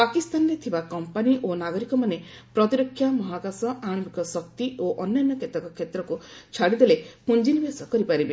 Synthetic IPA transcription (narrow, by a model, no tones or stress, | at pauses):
pakist̪anɔɾet̪ʰibakɔmpaniʔonaɡɔɾikɔmane | pɾɔt̪iɾɔkʰːjamɔɦakasɔʔaɽ̃ɔmikɔsɔkt̪ioʔɔnjanːɔkʰet̪akɔkʰet̪ɾɔkut͡ʃʰaɽid̪elepund͡ʒinibesɔkɔɾipaɾibe